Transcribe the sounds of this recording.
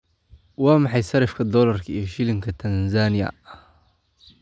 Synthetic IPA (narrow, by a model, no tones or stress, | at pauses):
wɑːmɑħɑjsɐɾɪfkʰɐd̪ɔːlɐrkʰɐijɔʃɪlɪŋkʰɐt̪ʰɐnzaːnɪjɐ̰